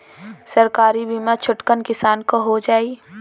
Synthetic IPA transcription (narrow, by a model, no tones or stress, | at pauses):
səɾkaːɾibiːmat͡ʃʰʊʈkənkɪsaːnkoɦod͡ʒaːi